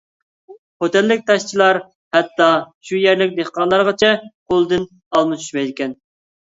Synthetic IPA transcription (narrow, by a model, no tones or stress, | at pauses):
hot̪ɛlːɪk̚ʲt̪ʰɑʃt͡ʃʰilˠɑɾ | hɛt̪ːɑʃujɛɾlɪk̚ʲd̪eχqɑnlˠɑɾʁɑt͡ʃʰɛqʰolˠɨd̪ɨn | ɑlˠmɨt͡ʃʰy̥ʃmɛjd̪ɪkʲɛn